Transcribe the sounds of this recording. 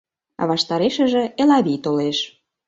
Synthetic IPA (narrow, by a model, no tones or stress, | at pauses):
βɑʃt̪ɑɾeʃə̆ʒĕelɑβit̪oleʃ